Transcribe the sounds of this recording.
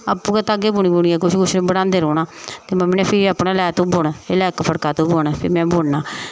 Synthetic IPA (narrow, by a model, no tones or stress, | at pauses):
apːũːkaːt̪aːɡeːbʊɳiːbʊɽiɛːkʊt͡ʃʰkʊt͡ʃʰnẽːbəɽãːnd̪eːɾoːnaːt̪eːməmːiːnɛːpʰɪɾaːpnaːlɛːt̪õːboːɳːelɛːkpʰəɽkaːt̪õːboːnpʰɪɾmɛ̃ːboːɳnaː